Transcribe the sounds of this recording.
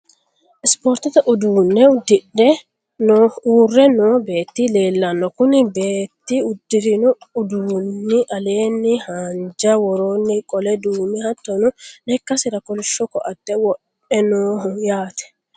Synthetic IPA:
ʔɪspoːɾt̪ɪt̪ɐʔʊd̪uːnːɛʊd̪ːɪᶑːɛ | nɔuːrːɛnɔbe̞ːt̪ːile̞ːlːɐnːɔkʊnɪbe̞ːt̪ːiʊd̪ːɪɾɪnʊʊd̪uːnːɪʔɐle̞ːnːɪhaːnd͡ʒɐwɔɾoːnːɪkʼɔlɛd̪uːmɪhɐt̪ːɔnʊnɛkːɐsɪɾɐkʼɔlɪʃːɔkɔʔɐd̪ːɛwɔʔ | ɛnoːʊjaːt̪ɛ̥

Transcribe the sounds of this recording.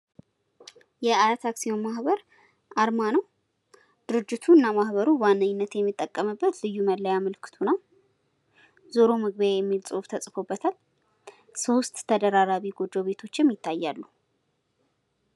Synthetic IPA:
jɛaɾat̪ʰaksionmahβəɾ | ʔaɾmanəw | d̪̥ɨɾɨd͡ʒːɪt̪ʰuɨnːamahβəɾuwanːəɲːnːət̪jɛmːɨt̪ʼːəkʼːəmɨbːət̪lɨjːuməlːəjaməlkʰɨ̥t̪ʰunaw | zoɾo̞mɨɡβəejɛmːilt͡sʼoβt̪ʰəsʼfo̞bːət̪ʰal | so̞st̪ʼʰːəd̪əɾaɾaβiɡod͡ʒ̪o̞βe̞t̪ʰo̞t͡ʃːɪmjɪt̪ʰːajːalːu

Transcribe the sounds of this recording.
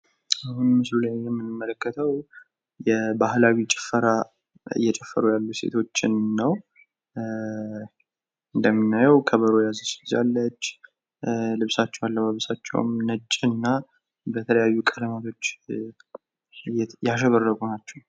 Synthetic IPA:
ahunmɨslulajjɛmːɨnɨmːələkːət̪ʰəw | jɛbahlawit͡ʃʼɪ̥fəɾa | ɨ̰jːɛt͡ʃʼɛfːəɾujalːuse̞̰t̪ʰo̞t͡ʃːɪnːəw | ɨnd̪əmːɨnːajɛwkʰəβəɾojazəsza̰lːət͡ʃː | lɨβsat͡ʃːɛwalːəβaβəsat͡ʃːɛ̰w̰mnət͡ʃʼːɨnːa | bət̪ʰələjajːukʼələmat̪ʰo̞t͡ʃː | jaʃ̬ɛβərːəkʼunat͡ʃːɛw

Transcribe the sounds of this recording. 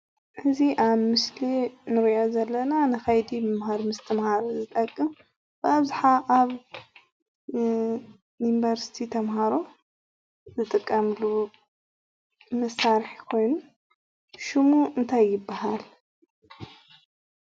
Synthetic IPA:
hɨziʔaβmɨslinɨɾʔozɐlːɐnanɨkɐjd̪imɨmɦaɾmɨst̪ʰɐmhaɾozɨt̪ʼɐkʼːɨm | b̥ɨaβzaħaʔaβ | inbɐɾsi̥t̪ʰit̪ʰɐmɦaɾo | zɨt̪ʼɨkʼːɐmlu | mɐsaɾħikʰo̞jnu | ʃumuʔɨnt̪ʰajːɪbːahal

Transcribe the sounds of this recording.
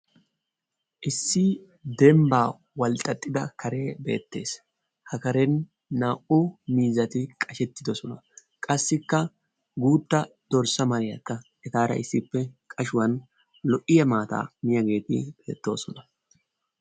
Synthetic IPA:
ʔɪsːɪ | d̪ɛmbaː | wɐlt̪ʼːɐt̪ʼːɪd̪ɐkʰɐɾe̞ːbe̞̰ːt̪ːe̞̰ːs | hɐkɐɾɛnː | aːʔʊmiːzɐt̪ɪkʼɐʃɛt̪ːɪd̪ɔsɔnɐ | kʼɐsːɪkːɐ | ɡuːt̪ːɐd̪̥ɔɾsɐmɐɾɪjɐkːɐʔɛt̪aːɾɐ̰ʔɪsːɪpːɛkʼɐʃʊwɐn | lɔʔɪjɐmaːt̪a̰ːmɪjɐɡe̞ːt̪ɪ̰b̥e̞ːt̪ːo̞ːsɔnɐ

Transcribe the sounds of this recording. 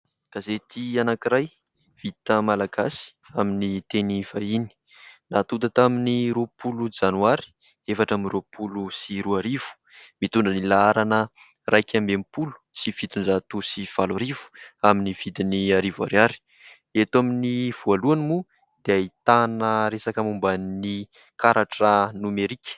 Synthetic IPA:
kazet̪ianakiɾaj | v̥it̪əmalaɡasi̥ | aminit̪enivaini̥ | nat̪ud̪at̪aminiɾopulud͡ʒanuaɾi̥ | efaʈ͡ʂamiɾopʰulusiɾuaɾiv̥u̥ | mit̪unɳɖ͡ʐənilaaɾanə | rʔajkʲʰambempulu̥sifit̪unzat̪usifalaɾivu̥aminiv̥id̪iniaɾiva̰ɾjaɾi̥ | et̪uaminiv̥ualuanimu | d̪eait̪anəɾesakamumbani | kaɾaʈ͡ʂənumeɾikʲə̥

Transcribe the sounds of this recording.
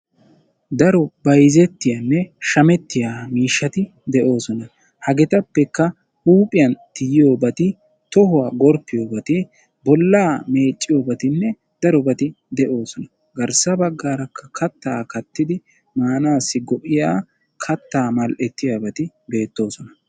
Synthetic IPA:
d̪ɐɾɔbɐjzɛt̪ːɪjanːɛʃɐmɛt̪ːɪjaːmiːʃːɐt̪ɪ | d̪ɛʔo̞ːsɔnɐ | hɐɡɛt̪ɐpːɛkːɐ | ʔuːpʼɪjɐnt̪ɪjɪjo̞ːbɐt̪ɪ | t̪ɔɦʊwaːɡɔɾpːɪjoːbɐt̪ɪ | bɔlːaːme̞ːt͡ʃʼːɪjoːbɐt̪ɪnːɛ | d̪̥ɐɾɔbɐt̪ɪ | d̪ɛʔo̞ːsɔnɐ | ɡɐɾsɐbɐɡːaːɾɐkʰːɐkʰɐt̪ːaːkɐt̪ːɪd̪ɪ | maːnaːsːɪɡɔʔɪjaː | kʰɐt̪ːaːmɐlʔɛt̪ːɪjaːbɐt̪ɪbe̞ːt̪ːo̞ːsɔnɐ

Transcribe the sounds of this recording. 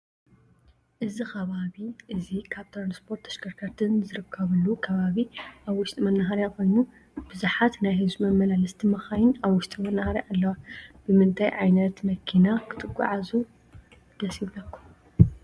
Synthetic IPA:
ʔɨzixɐβaβiʔɨzikʰaβt̪ʰɾanspʰo̞ɾt̪ʰɐʃkʰɐɾkʰɐɾt̪ʰɨnzɨɾɨkʰːɐβɨlukʰɐβaβiʔaβwʊʃt̪ʼimɐnːaɦaɾjakʰo̞jnːu | b̥ɨzuħat̪najhɨzumɐmːɐlalɐst̪ʰimɐxajɪnaβwʊʃt̪ʼimɐnːahaɾiʔalːɐwab̥ɨmɨnt̪ʰajʕajnɐt̪mɐkʰinakʰɨ̥t̪ʰɨɡʷʼːa̰ʕazu | d̪̥ɐsiβlɐkʰːu

